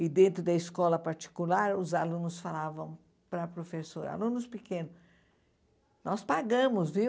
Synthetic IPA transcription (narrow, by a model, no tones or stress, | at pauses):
ɪd̪ẽnt̪ɾʊd̪ɐiskɔlɐpaɾt͡ʃi̥kulaɾʊzalũnʊsfalavɐ̃w̃ | pɾɐpɾofesoɾa̰lũnʊspikẽnʊs | nɔspaɡɐ̃mʊzvi